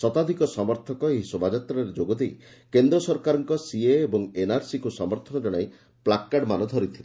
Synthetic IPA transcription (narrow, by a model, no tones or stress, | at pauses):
sɔt̪ad̪ʱikɔsɔmɔɾt̪ʰɔkɔeɦisobad͡ʒat̪ɾɔɾed͡ʒoɡɔd̪ej | kend̪ɾɔsɔɾkaɾɔŋkɔsieːbɔŋenaɾsikusɔmɔɾt̪ʰɔnɔd͡ʒɔɽ̃aj | plakːaɖmanɔd̪ʱɔɾit̪ʰile